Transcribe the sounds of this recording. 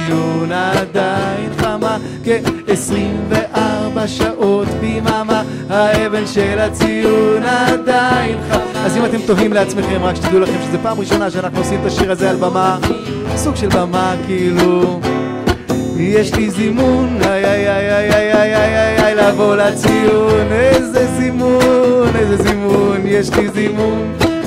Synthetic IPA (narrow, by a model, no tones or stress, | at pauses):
ijunad̪ajnχama | keːsʁimveʔaʁbaʃaʔo̞t̪bimama | haeve̞nʃelat͡sijunad̪ajinχa | azimat̪e̞mt̪o̞ɦimleat͡smeχe̞mʁakʃe̥t̪aɡiulaχe̞mʃezepaːmʁiʃonaʃeanaχnuosimt̪aʃiʁazealbama | suɡʃelbamakiilu | jeʃlizimunajajajajajajajajajlavo̞lat͡sijunejzezimunejzezimunjeʃlizimun